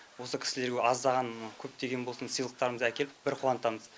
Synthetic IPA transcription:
wo̞səkʲʰɪ̥sɪle̞ɾɡʲeɑzd̪ɑʁɑnkʲʰɵp̚t̪eɡʲe̞nbo̞lˠsənsəjlˠəq̚t̪ɑɾəməzækʲe̞lɪbɪɾqʰuɑnt̪ɑməz

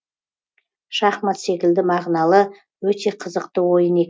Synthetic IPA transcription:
ʃɑχmɑt̪se̞kʲɪld̪ɪmɑʁnɑlˠə | wɵt̪e̞qʰəzəqt̪əwo̞jəne̞kʲ

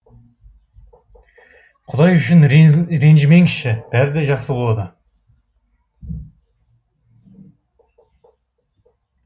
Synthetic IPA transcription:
qʰʊd̪ɑjʏʃɪnɾe̞nʒɪmeŋkʲʰɪʃɪb̥æɾɪd̪eʒɑqsəbo̞lˠɑd̪ə

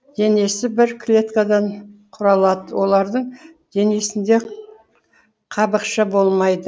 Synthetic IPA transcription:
d̪̥e̞ne̞sɪbɪɾkʲʰlʲe̞t̪kad̪ɑɴqʰʊɾɑlˠɑd̪əwo̞lˠɑɾd̪əɴd̪e̞ne̞sɪnd̪e̞ | qʰɑbəqʃɑbo̞lˠmɑjd̪ə

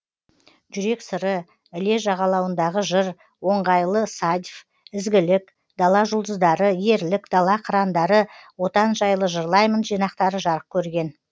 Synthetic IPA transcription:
ʒʏɾe̞ksəɾə | ɪle̞ʒɑʁɑlˠɑwənd̪ɑʁəʒəɾ | wo̞ɴʁɑjlˠəsɑd̪ʲf | ɪzɡʲɪlɪk | d̪ɑlˠɑʒʊlˠd̪əzd̪ɑɾəje̞ɾlɪkd̪̥ɑlˠɑqʰəɾɑnd̪ɑɾəwo̞t̪ɑnʒɑjlˠəʒəɾlˠɑjmənʒijnɑqt̪ɑɾəʒɑɾəq̚kʲʰɵɾɡʲe̞n

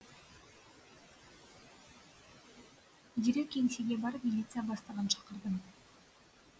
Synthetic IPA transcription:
d̪iɾekʲʰːeŋseɡʲe̞bɑɾpmʲɪlʲit̪sɨjabɑst̪ɑʁənʃʰɑ̥qəɾd̪əm

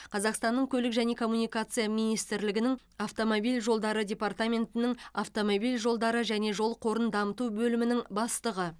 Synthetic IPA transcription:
qʰɑzɑqst̪ɑnːəɴkʲʰɵlɪkʒæne̞kʰo̞mːunijkat̪sɨjamijnijst̪ɪɾlɪɡʲɪnɪŋ | aft̪o̞mobijlʒo̞lˠd̪ɑɾədʲe̞part̪amʲe̞nt̪ɪnɪŋaft̪o̞mobijlʒo̞lˠd̪ɑɾəʒæne̞ʒo̞lˠqʰo̞ɾənd̪ɑmət̪ubɵlɪmɪnɪŋbɑst̪əʁə

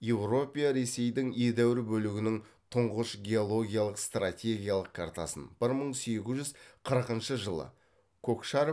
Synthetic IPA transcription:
je̞wro̞pʲijaɾe̞se̞jd̪ɪŋe̞d̪æwɪɾɪbɵlɪɡʲɪnɪŋ | t̪ʰʊɴʁəʃɡʲe̞o̞lˠo̞ɡʲijalˠəqst̪rat̪ʲe̞ɡʲijalˠəq̚kʰart̪a̰sə̰nb̥ɪɾməɴse̞ɡʲɪzʒʏzqʰəɾəqənʃəʒəlˠə̰ | kʰokʃaɾ

